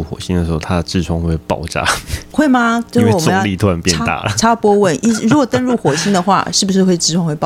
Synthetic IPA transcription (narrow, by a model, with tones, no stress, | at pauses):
u˥˩xwɔ̰˨˩ɕi˧˥nd̪ə˨˩ʂɻ̩˧˥xo˥˩t̪ʰa˥d̪ə˩ʈ͡ʂɻ̩˥˧˩ʈ͡ʂʰwɑ˧˥ŋxwe˥˩pɑ˥˩ʊʈ͡ʂa̰˥xwe˥˩ɪma˧t͡ɕo˥˧wwɔ˨ʊ˧jɑ˥˧li˥˧t̪ʰwa˧npjɛ˥˧n˥t̪a̰˨˩˨ʈ͡ʂʰa˥pwɔ˥wə˥˩nʔi˥ɻu˧˥ɡwɔ˨˩t̪ə˥nɻu˥˩xwɔ˨˩ɕi˥ŋd̪ə˨xwa̰˥˧ʂɻ̩˥˩bu˩ʂɻ̩˧xwe˥˩ɪʈ͡ʂɻ̩ʰ˥˩ɑ˥ŋxwe˥˧pɑ˥˨